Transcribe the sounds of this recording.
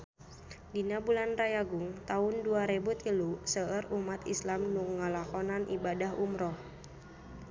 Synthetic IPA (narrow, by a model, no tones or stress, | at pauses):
dinabulanrajaɡʊŋt̪aʊnduaɾebut̪ilusəərumat̪ḭslamnuŋːəlakɔnanʔḭbadaɦumɾɔh